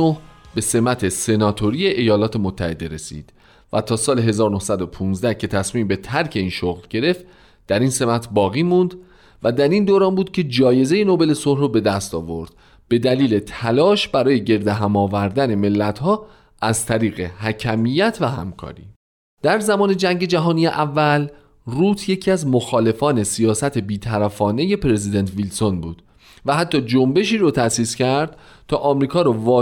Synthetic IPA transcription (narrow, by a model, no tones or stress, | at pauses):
ohbe̞se̞mæt̪ʰe̞se̞nɒːt̪ʰo̞ɾije̞ʔejɒːlɒːt̪ʰe̞mot̪ʰːæ̰he̞d̪e̞ɾe̞sḭd̪̥ | væt̪ʰɒːsɒːleɦe̞zɒːɾonohsæd̪o̞pʰuːnzd̪æhcʰe̞t̪ʰæsmiːmbe̞t̪ʰæɾcʰe̞iːnʃoɣlɟe̞ɾe̞ft̪ | d̪̥æɾiːnse̞mæt̪ʰbɒːɣiːmund̪ | væd̪æɾiːnd̪oːɾɒːnbuːd̪̚cʰe̞d͡ʒɒːje̞zejenobe̞le̞sohɾobe̞d̪æst̪ɒːvo̞ɾd̪̥ | b̥e̞d̪æliːle̞t̪ʰælɒːʃbæɾɒːje̞ɟe̞ɾd̪eɦæmɒːvæɾd̪æne̞me̞lːæt̪ʰhɒː | æzt̪ʰæɾiːɣe̞hæcʰæmijæt̪ʰvæɦæ̰mkʰɒ̰ːɾḭ | d̪̥æɾzæmɒːne̞d͡ʒæŋɟe̞d͡ʒæɦɒːnijeʔævːæl | ruːt̪ʰje̞cʰiæzmoxɒːle̞fɒːne̞sijɒːsæt̪ʰe̞biːt̪ʰæɾæfɒːne̞je̞pɾe̞zid̪ent̪ʰvilsonbṵːd̪̥ | væɦæt̪ʰːɒːd͡ʒombe̞ʃiːɾot̪ʰæsiːscæɾd̪̥ | t̪ʰɒ̰ːʔɒmɾiːkʰɒːɾovɒː